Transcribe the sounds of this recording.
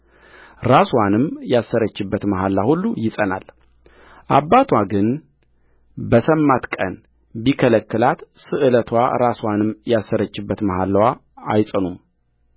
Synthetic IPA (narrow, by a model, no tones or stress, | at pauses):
ɾaswanɨmjasːəɾət͡ʃːɪbːət̪məɦalːahulːujɪsʼəna̰l | ʔa̰bːat̪ʰwaɡɨn | bəsəmːat̪kʼə̰n | bikʰələkːɨlat̪sɨʔɨlət̪ʰwa̰ɾaswanɨmːjasːəɾət͡ʃːɨbːət̪məhalːwa | ajsʼənum